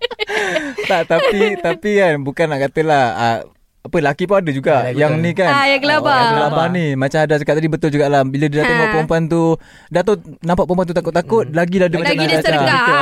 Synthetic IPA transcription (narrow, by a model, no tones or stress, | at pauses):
t̪aʔt̪apit̪apikanbukanːaʔkat̪əlahə̰ | apəlakipuadəd͡ʒuɡaʔjaŋnikanjaɡəlabaɡəlabanimat͡ʃaɦadasakat̪̚ːadibət̪ʊld͡ʒuɡaʔlabilədidat̪ompaʔpompant̪u | dat̪onãmpaʔpompanut̪akʊt̪̚ːakʊt̪̚laɡiladəmat͡ʃanaadat͡ʃait̪ə